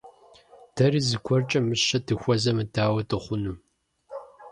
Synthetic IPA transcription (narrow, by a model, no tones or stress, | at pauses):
d̥ʰɐriːzɨkʷʰɔrt͡ʃʼɐmɨɕɐdʰɨxʷɔzɐmɨdʰaːwɐtʰɨχʷʊnɨm